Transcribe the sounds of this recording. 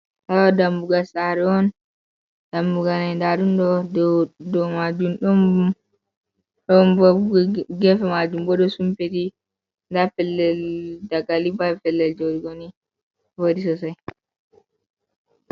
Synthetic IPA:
tawadambuɡasaɾɛɔn | d̥ambuɡanajndaɗundɔ | dɔmad͡ʒumɗɔm | ɗɔmbɔɡɛfɛmad͡ʒumbɔɗɔsumpeti | ndafɛlːɛldaɡalibafɛlːɛld͡ʒodiɡoni | vodisɔsaj

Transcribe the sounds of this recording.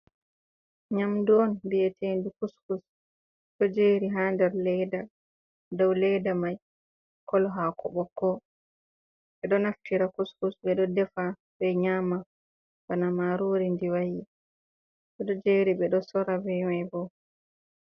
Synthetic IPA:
ɲamduɔndiɛtʰendukuskus | ɗɔd͡ʒeɾiɦandɛɾlɛjda | dɔwlɛdamaj | kɔlɦakʰɔɓɔkːɔ | ɓɛɗɔnaftiɾakuskusɓɛɗɔdɛfa | bɛɲama | banamaɾoɾindiwaji | ɓɛɗɔd͡ʒeɾiɓɛɗɔsɔɾabɛmajbɔ

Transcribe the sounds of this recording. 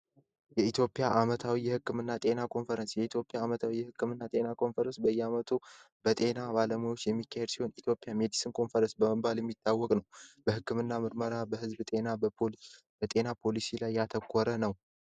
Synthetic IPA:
jɛit̪ʰjo̞pʼjaʔamət̪ʰawijɛhɨkːɨmɨnːat̪ʼe̞nakʰo̞nfəɾənsjɛit̪ʰjo̞pʼjaːmət̪ʰawijɛhɨkʰːɨmɨnːat̪ʼe̞nakʰo̞nfəɾənsbəjːɛamət̪ʰu | b̥ət̪ʼe̞nabaləmujo̞t͡ʃːjɛmːikʰːahed̪si̥ho̞nit̪ʰjo̞pʼjame̞d̪isɨnkʰo̞nfəɾənsbəməbaljɛmːit̪ʰːawːɔkʼnəwb̥əhɨkːɨmɨnːamɨɾməɾabəhɨzbt̪ʼe̞na | bət̪ʼe̞napʰo̞lisilajːat̪ʰəkʷʰːɔɾənəw

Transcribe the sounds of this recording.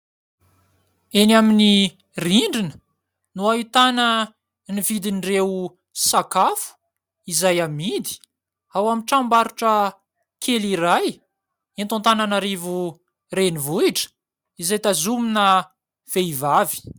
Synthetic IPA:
enamini | riɳɖ͡ʐinə̥ | nuait̪anə | nivid̪inreu | sakafu̥ | izajamid̪i̥ | awamiʈ͡ʂambaɾuʈ͡ʂə | kʰeliɾaj | int̪õnt̪ananaɾivu | renivuiʈ͡ʂə̥ | izajt̪azuminə | v̥eivavi̥

